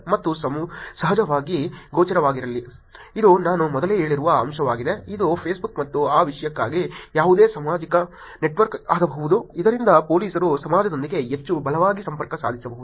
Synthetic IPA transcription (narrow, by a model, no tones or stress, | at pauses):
mɐt̪ːusɐmusɐɦɐd͡ʒɐʋaːɡiɡoːt͡ʃɐɾɐʋaːɡiɾɐlːiid̪unaːnumɔd̪ɐleːɦeːɭiɾuʋɐɐmʃɐʋaːɡid̪e̞id̪upʰeːsbukmɐt̪ːuaːʋiʂɐjɐkːaːɡijaːʋud̪eːsɐmaːd͡ʒikɐ | ne̞ʈʋɐɾka̰ːd̪ɐbɐɦud̪uid̪ɐɾind̪ɐpo̞ːliːsɐɾusɐmaːd͡ʒɐd̪o̞nd̪iɡe̞ɦet͡ʃːubɐlɐʋaːɡisɐmpɐɾkɐsa̰ːd̪ʱisɐbɐɦud̪u